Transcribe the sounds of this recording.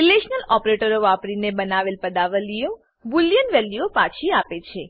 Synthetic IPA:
ileʃnəlɔpɾeʈəɾoʋapɽinebənaʋelpəd̪aʋəlijo | buljənʋɛliopat͡ʃʰiapet͡ʃʰe

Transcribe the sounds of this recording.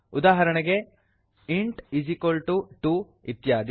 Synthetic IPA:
ud̪aːɦɐɾɐɳɐɡe | iɳʈid͡ʒikolʈuʈu | it̪jaːd̪

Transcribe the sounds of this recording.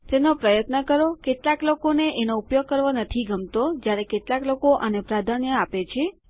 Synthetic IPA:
t̪enopɾəjət̪nəkəɾokeʈlaklokoneʔenoupjoɡ̚kəɾʋonət̪ʰiɡəmt̪od͡ʒjaɾekeʈlaklokoʔənepɾad̪ʱanjəapet͡ʃʰe

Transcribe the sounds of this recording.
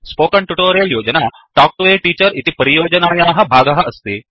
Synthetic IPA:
spoːkɐɳʈuʈoːɾijɐljoːd͡ʒɐnaː | ʈaːk̚ʋeːʈiːt͡ʃɐɾit̪ipɐɾijoːd͡ʒɐnaːjaːɦɐ̆bʱaːɡɐɦɐɐst̪i

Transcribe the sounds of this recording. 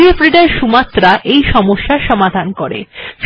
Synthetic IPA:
iefɾiɖaɾʃumat̪ːɾaʔejʃɔmoʃːaʃɔmad̪ʱankoɾḛf

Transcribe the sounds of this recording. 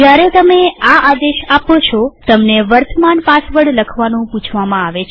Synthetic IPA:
d͡ʒjaɾet̪əmeaʔad̪eʃapot͡ʃʰot̪əmneʋəɾt̪əmanpat̪ʰʋəɽləkʰʋanũpũt͡ʃʰʋamãaʋet͡ʃʰ

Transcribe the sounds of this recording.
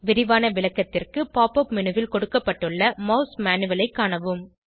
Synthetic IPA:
ʋɪɾɪʋaːnɐʋɪlɐkːɐt̪ːɪrkɯpaːpɐpmɪnɯʋɪlkɔɽɯkːɐpːɐʈːɯɭːɐmɐʊsmaːnɯʋɐlɐɪkːaːnɐʋɯm

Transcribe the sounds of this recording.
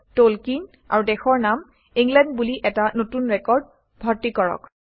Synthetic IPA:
tolkin | a̰ɹudɛxɔɹnam | iŋɡlɛndbuliʔɛtanotunɹɛkɔɹd̚ | bʱɔɹtikɔɹɔ̰k

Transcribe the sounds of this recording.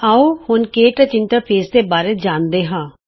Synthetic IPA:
aːoːhʊnkeːʈət͡ʃɪnʈəɾpʰeːsd̪eːbaːɾeːd͡ʒaːnd̪eːɦãː

